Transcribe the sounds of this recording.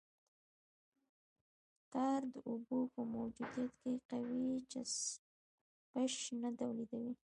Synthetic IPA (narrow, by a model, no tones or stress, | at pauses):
t̪aɾd̪əʔubopəmawd͡ʒud̪ijat̪keqawit͡ʃɪs | peʃnad̪awlid̪awi